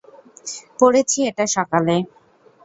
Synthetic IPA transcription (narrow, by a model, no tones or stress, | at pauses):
poɽet͡ɕʰieʈaʃɔkale